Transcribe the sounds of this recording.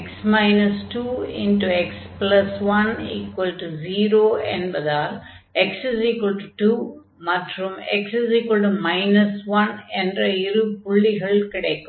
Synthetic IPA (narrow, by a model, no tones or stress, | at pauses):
ksmɐɪnɐsʈuːɪ̰̃nʈueksplɐsʋɐnḭːkwɐlʈuziːɾoːɛ̰̃nɖbɐd̪aːl | eksɪsiːkʋɐɭʈuʈuː | mɐʈɾumḛksisiːkʋɐlʈumɐɪnɐsʋɐnɛnɖɾɐiɾupʊɭːiɣɐɭkɪɽekːum